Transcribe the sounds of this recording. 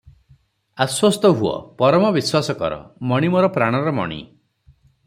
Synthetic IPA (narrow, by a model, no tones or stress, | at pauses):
aswɔst̪ɔɦuɔ̰pɔɾɔmɔbiswasɔkɔ̰ɾɔ̰mɔɽ̃imɔɾɔpɾaɽ̃ɔɾɔmɔ̰ɽ̃ḭ